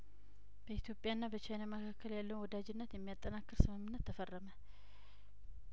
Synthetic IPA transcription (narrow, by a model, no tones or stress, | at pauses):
b̥əit̪ʰjo̞pʼjaɨnːabət͡ʃajnaməkʰakːəljalːəwnwɔd̪ad͡ʒɪnːət̪jɛmːijat̪ʼːənakːɨɾsɨmɨmːɨnːət̪ʰːəfərːəmə